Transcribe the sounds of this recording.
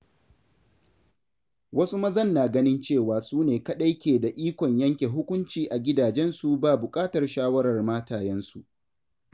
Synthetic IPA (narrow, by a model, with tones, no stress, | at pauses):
wɐ˦su˦mɐ˦zɐ˦˨nːaː˨ɡɐ˦nɪ˦nt͡ʃeː˦˨waː˨suː˦neː˨kɐ˦ɗa˦jkʲeː˨da˨ʔiː˦kʷɔ˨ɲjɐ˦ŋkʲe˨ɦʊ˦kʷʊ˦nt͡ʃiː˨ʔa˨ɡʲɪ˦daː˨d͡ʒɛ˦nsu˨baː˦˨bʊ˨kʼaː˦tɐ˨rʃaː˦wɐ˦ɾɐ˨rmaː˦taː˨jɛ˦nsu˨ʔ